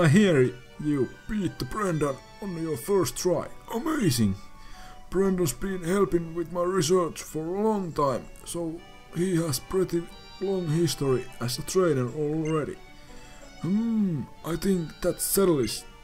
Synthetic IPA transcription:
aɪɦiəɹ | jub̥iːt̪̚ðəbɹɛ̃ndə | õʊ̃nlijəɹfɜ˞sttʰɹaɪʔəmeɪsɪ̃ŋ | b̥ɹɛ̃ndəsbĩnhɛlˠpɪ̃ŋwɪðmaɪɹis̬ɜ˞t͡ʃfəɹəlɔ̃ŋt̪ʰãɪ̃msoʊ | hihæspʰɹɪt̪i | lɔ̃ŋhɪst̪əɹiæsətʰɹ̥ẽɪnə˞ɔlˠɹɛɾḭ | m̩ʔaɪθɪ̃ŋkðætsːɛɾl̩ˠis

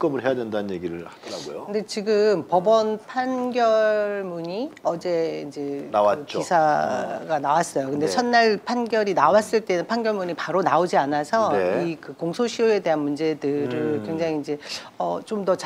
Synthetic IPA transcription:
k͈ɯmɯɭɦe̞jadwendanɯnje̞ɡiɾɯɭhad̥ʌɾaɡo̰joɯnde̞t͡ɕiɡɯmpʌbʌnpʰanɡjʌɭmuɲiʌd͡ʑe̞ind͡ʑe̞nawat͡ɕ͈oisʰaɡanawas͈ʌjokɯndet͡ɕʰʌnːaɭpʰanɡjʌɾinawas͈ɯɭt͈e̞nɯnpʰanɡjʌɭmuɲipaɾonaod͡ʑianasʰʌeikɯkoŋsʰoɕʰioe̞deɦanmund͡ʑe̞dɯɾɯɭkweŋd͡ʑaŋiːnd͡ʑe̞ʌt͡ɕomdʌt͡ɕ

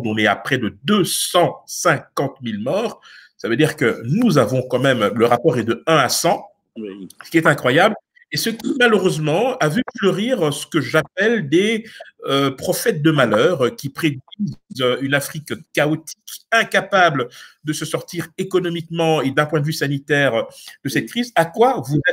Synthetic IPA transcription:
d̪ɔ̃nɛa̰pχɛd̪əd̪øsɑ̃sɛ̃kɑ̃t̪milmɔʁsavød̪iʁkənuzavɔ̃kɑ̃mɛmləʁapɔːʁɛd̪əɛ̃asɑ̃ | sə̥kʲiɛt̪ɛ̃kχwajabl | esəkʲimaløʁøzmɑ̃avyføʁiʁsə̥kəʒapɛld̪eøpχɔfɛt̪̚d̪əmalœːʁkʲipχed̪ɥizøynafχikkaot̪ʰi̥kɛ̃kapabləd̪əsəsɔʁt̪iʁekɔnɔmikmɑ̃ed̪ɛ̃pwɛ̃d̪vysanit̪ɛʁd̪̥əsɛt̪̚kχizakwavuzɛ

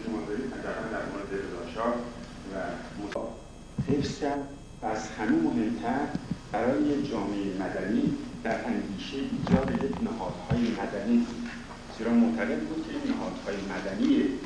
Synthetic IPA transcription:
ʃomɒːd̪ɒːɾiːd̪hæd̪æɣæld̪æɾmoɾe̞d̪eɾezɒːʃɒː | væmoɒː | hefscʰʲæɾd̪ | vææzhæmemo̞ɦe̞mt̪ʰæɾb̥æɾɒːjeed͡ʒɒːmeeemæd̪æniːd̪̥æɾʔæŋɡiːʃeʔiːd͡ʒɒːd̪ejeknæhɒːd̪̥hɒːje̞mæd̪æniːbud̪ | z̥eɾɒːmoʔt̪ʰæɣe̞d̪bud̪̥̚kʰejenæhɒːd̪̥hɒːjemæd̪ænie

